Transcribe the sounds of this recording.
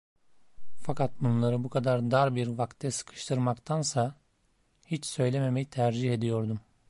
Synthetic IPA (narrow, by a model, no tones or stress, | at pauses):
fakat̪̚bunlˠaɾɯbukʰad̪aɾd̪aɾbiɾvakt̪ʰːɛsɯ̥kʰɯ̥ʃt̪ʰɯɾmakt̪ʰansa | hit͡ʃsø̞jlʲe̞me̞me̞jit̪ʰæɾd͡ʒihe̞d̪ijo̞ɾd̪um